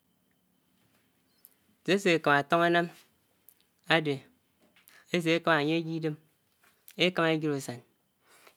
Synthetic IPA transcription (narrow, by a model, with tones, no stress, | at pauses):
se˦se˨e˨ka˨ma˨to˦ŋa˦na˦m | a˦de˨ | e˦s̬e˨e˦ka˦ma˨ɲe˦e˦ɡi˦de˦m | e˦ka˦me˦ɡi˦ɾo˨sa˨n